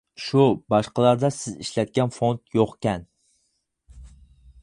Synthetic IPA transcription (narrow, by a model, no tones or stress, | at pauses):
ʃubɑʃqɑlˠɑɾd̪ɑsɪzḭʃlɛt̪̚kʲɛnfont̪joqkʲɛn